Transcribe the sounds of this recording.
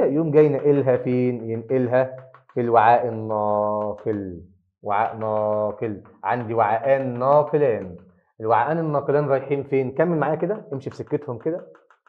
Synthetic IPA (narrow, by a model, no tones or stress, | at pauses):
æʔjoːmɡæjneʔelɦæfiːnjenʔelɦæfilwaʕaːʔenːɑfil | waʕa̰ːʔnɑːfel | ʕa̰nd̪iwaʕaːʔæːnːɑːflæːn | elwaʕaːʔæːnenːɑːqelæːnɾˤɑjħiːmfeːnkæmːelmaʕaːjæked̪æʔemʃifsekːet̪homked̪æ